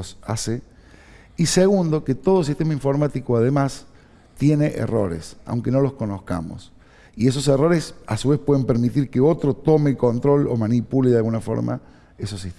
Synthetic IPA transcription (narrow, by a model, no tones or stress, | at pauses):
osa̰se | iseɣund̪o̞ket̪o̞ðos̬ist̪emaĩɱfo̞ɾmat̪ikoað̞emas | t̪je̞neʔḛro̞̰ɾḛsa̰wŋkeno̞lo̞sko̞noska̰mo̰s | ies̬o̞s̬ero̞ɾesa̰suβespwe̞ðempeɾmit̪iɾkeo̞t̪ɾot̪o̞meko̞nt̪ɾo̞lomanipuleðalɣunafo̞̰ɾma̰ | esosːit̪